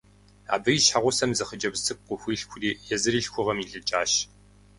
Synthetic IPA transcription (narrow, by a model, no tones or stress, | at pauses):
a̰ːbɨiʃħaʁʷʊsɐmzɐχəd͡ʒʼɐbzt͡sɨp̚qʷʼʊxʷiːɬxʷʰʊriːjɛzɨɾiːɬxʷʊʁɐmiːɮɨt͡ʃʼaːʃ